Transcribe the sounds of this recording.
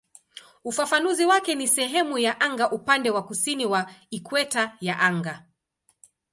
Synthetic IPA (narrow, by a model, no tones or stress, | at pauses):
ufafanuziwakɛnisɛɦɛmujaʔaŋɡaʔupandɛwakusiniwaikwɛtajaʔaŋɡa